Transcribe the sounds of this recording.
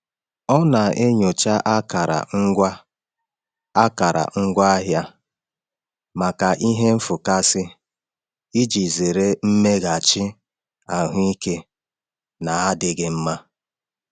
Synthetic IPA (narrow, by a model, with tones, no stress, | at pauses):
ɔ˦na˨e˦ɲo˨t͡ʃa˦ʔa˦ka˨ɾa̰˨ŋ̩˦ɡʷa˦ | a˦ka˨ɾa̰˨ŋ̩˦ɡʷa˦ɦja˦ | ma˨ka˨ʔi˦ɦe˦m̩˦fʊ˨ka˦sɪ˦ | i˦d͡ʒi˨ze˨ɾe˦m̩˦me˦ɡa˨t͡ʃɪ˦ | a˨ɦʊ˦i˦ke˦ | na˨a˦dɪ˦ɡɪ˦m̩˦ma˦